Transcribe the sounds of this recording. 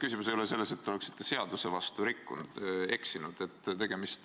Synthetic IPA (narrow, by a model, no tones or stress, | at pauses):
kysʲimusejolese̞lːe̞se̞t̪ːeole̞ksi̥t̪ːe̞se̞ɑd̪use̞vɑst̪uɾikːṵnd̪̥e̞ksinud̪̥e̞t̪ːt̪e̞ɡ̥e̞mist̪